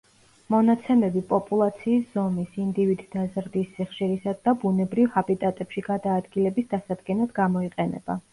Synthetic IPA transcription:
mɔnat̪sʰɛmɛbipʼɔpʼulˠat̪sʰiːsz̥ɔmisind̪ivid̪d̪azɾd̪isːiχʃiɾisad̪ːabunɛbɾivhabit̪ʼat̪ʼɛpʃiɡad̪aːd̪ɡilɛbisd̪asad̪ɡɛnad̪ɡamɔiqʼɛnɛ̰ba

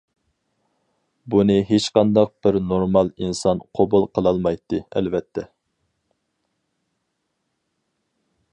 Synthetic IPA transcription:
bunɨɦet͡ʃqɑnd̪ɑq̚b̥ɪɾnoɾmɑlˠinsɑnqʰobulˠqʰəlˠɑlˠmɑjt̪ːɨɛ̰lvɛt̪ʰːɛ

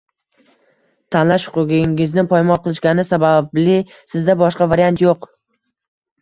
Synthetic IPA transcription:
t̪ʰanlaʃʊ̥qʊɡɪŋɪznɪŋpʰɒjmɒnqʰɨlˠɪʃkʲanɪsabablɪ | sɪzd̪abɒʃqɑvaɾijant̪joq

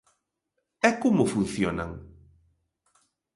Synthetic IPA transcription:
ɛkomʊfun̟θjona̰ŋ

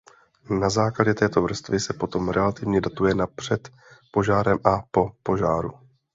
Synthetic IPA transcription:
nazaːklaɟɛt̪ɛːt̪o̞vr̩st̪vɪsɛpo̞t̪o̞mɾʔɛlat̪ɪvɲɛdat̪ujɛnapr̝̥ɛt̪ | po̞ʒaːɾɛmʔapo̞po̞ʒaːɾu

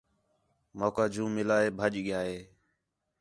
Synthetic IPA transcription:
moːkaːd͡ʒũːmɪlaːɦeːbʱəʄɠɪjaːɦeː

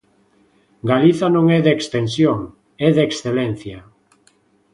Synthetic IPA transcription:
ɡaliθanõŋɛðeːkst̪ensjoŋ | ɛðeksθelɛn̟θja

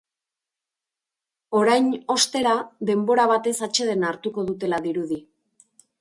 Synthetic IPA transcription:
o̞ɾajno̞st̪e̞ɾaðe̞mbo̞ɾaβ̞at̪e̞sat͡ʃe̞ð̞e̞naɾt̪uko̞ðut̪e̞laðiɾuð̞i

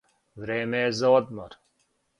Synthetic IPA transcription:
vɾeːmeːzoːd̪̚mɐɾ

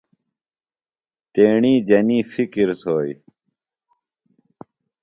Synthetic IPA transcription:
t̪eːɳiːd͡ʑɐniːfikiɾsoːj

